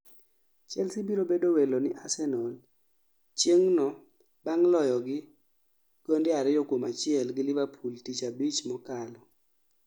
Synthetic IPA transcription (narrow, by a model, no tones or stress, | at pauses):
t͡ʃɛlsibiɾobedowelonɪʔasɛnɔl | t͡ʃjeŋnɔ | baŋlɔjɔɡɪ | ɡ̥ɔndɪaɾɪjɔkwomat͡ʃɪɛlɡɪlɪbapʰultit͡ʃabit͡ʃmɔkalɔ